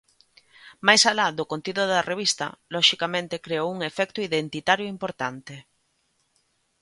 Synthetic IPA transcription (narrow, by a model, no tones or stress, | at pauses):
majsalaðokont̪iðoðɐreβ̞ist̪ɐ̰lɔʃikamẽnt̪ekɾeouŋefɛkt̪ʊiðent̪it̪aɾjoimpoɾt̪ant̪e